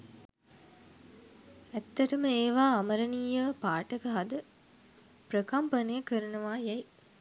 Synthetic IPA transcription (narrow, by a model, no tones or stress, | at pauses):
æt̪ːɐʈəməeːʋaːɐmɐɾɐniːɐʋpaːʈɐkɐɦɐd̪ə | pɾəkɐmpɐnejəkəɾɐnuʋaːjɛj